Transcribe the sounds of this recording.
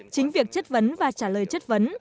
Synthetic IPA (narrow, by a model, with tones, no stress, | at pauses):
t͡ɕï˨˦ŋ̟vi˨˩ək̚t͡ɕə˦˥t̚və˨˦nvaː˨˩t͡ɕaː˧˩ləː˨˩jt͡ɕə˦˥t̚və˨˦n